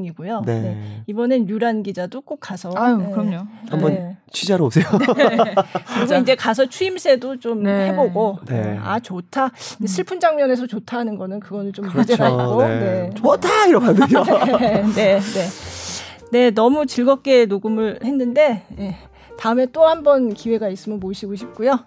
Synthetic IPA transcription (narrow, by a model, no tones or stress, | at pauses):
ŋiɡojonee̞ibʌnejuɾanɡid͡ʑadok͈ok̚k͈asʰʌkʌmɲoambʌnt͡ɕʰɥid͡ʑaɾoosʰejo | kɯɾiɡʰsoind͡ʑe̞kas̬ʰʌt͡ɕʰuimsʰe̞dot͡ɕ͈omhe̞boɡoea̰t͡ɕotʰad͡ʑesʰɯɭpʰund͡ʑaŋmjʌne̞s̬ʰʌt͡ɕotʰaɦanɯnɡʌnɯnkɯɡʌnɯɭt͡ɕomd͡ʑeaɡone̞tʰaiɾʌpande | ne̞ne̞ | ne̞nʌmut͡ɕiɭɡʌp̚k͈e̞noɡumɯɭhe̞nːɯnde̞je | taɯme̞t͈ohambʌnkiwe̞ɡais͈ɯmjʌnmoɕʰiɡoɕʰip̚k͈ujo